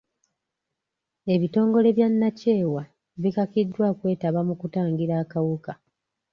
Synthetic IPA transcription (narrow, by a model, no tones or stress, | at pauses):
e̞βito̞ːŋɡo̞le̞βjanːace̞ːwa | βikakidːwaːkwe̞ːtaβamukutaːŋɡiɾaːkawuka